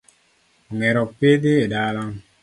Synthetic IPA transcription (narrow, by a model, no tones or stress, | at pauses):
ɔŋɛɾɔk̚pediedalaŋ